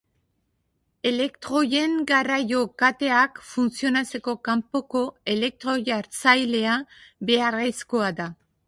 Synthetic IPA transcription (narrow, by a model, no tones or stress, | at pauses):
e̞le̞kt̪ɾo̞je̞ŋɡarajo̞kat̪e̞akfunt͡sio̞nat͡se̞ko̞kampo̞ko̞e̞le̞k̚t̪ɾo̞ʝaɾt͡sajle̞aβe̞aresko̞ada